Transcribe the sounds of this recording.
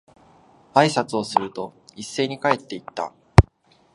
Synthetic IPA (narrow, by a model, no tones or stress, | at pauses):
aisat͡sɨo̞sɨɾɯ̟t̪o̞isːe̞ːɲ̟ikae̞t̪ːe̞it̪ːa̰